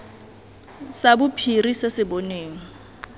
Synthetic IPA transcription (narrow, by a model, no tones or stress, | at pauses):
sabʊpʰirisesɪboneːŋ̩